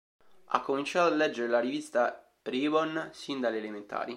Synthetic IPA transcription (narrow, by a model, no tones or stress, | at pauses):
a̰kːomint͡ʃaːt̪oalːɛd͡ʒːeɾelaɾivist̪a | pɾibonsind̪aleːlement̪a̰ːɾi